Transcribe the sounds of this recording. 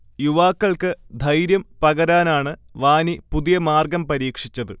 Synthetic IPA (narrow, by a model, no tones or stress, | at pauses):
juʋaːkːɐɭkɨd̪ʱɐjɾjɐmpɐɣɐɾaːnaːɳɨʋaːnipuðijɐmaːrɡɐmpɐɾiːkʂit͡ɕːɐðɨ